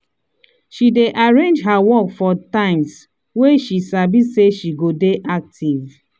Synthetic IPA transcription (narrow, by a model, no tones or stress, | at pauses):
ʃideʔaɹẽnd͡ʒɦawɔkfɔtãɪ̃ms | weʃisabiseʃiɡodeʔak̚tʰiv